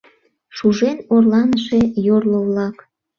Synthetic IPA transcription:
ʃuʒenorlɑnəʃe̽jorloβlɑk

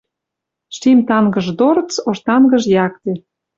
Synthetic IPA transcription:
ʃimt̪ɑŋɡə̆ʒd̪oɾt͡soʃt̪ɑnɡə̆ʒjɑk̚t̪ĕ

